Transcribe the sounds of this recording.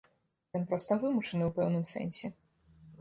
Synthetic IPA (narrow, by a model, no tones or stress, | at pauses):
jɔnpɾɔst̪ɐvɨmut͡ʂɐnɨwpɛwnɨmsɛ̰nʲsʲɛ